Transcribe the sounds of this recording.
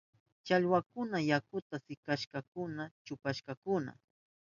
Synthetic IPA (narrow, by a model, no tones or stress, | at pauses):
t͡ʃaʎwakʊnajakʊt̪asɪkaʃkɑkʊnat͡ʃʊpaʃkɑkʊna̰